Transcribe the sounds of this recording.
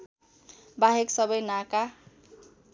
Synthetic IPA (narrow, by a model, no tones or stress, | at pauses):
baɦeksʌbʌjnaka